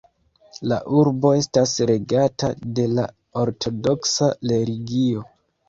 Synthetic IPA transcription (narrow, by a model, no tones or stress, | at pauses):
la̰ʔuɾbo̞e̞stasɾe̞ɡatade̞la | oɾtʰo̞do̞ksale̞ɾiɡio̞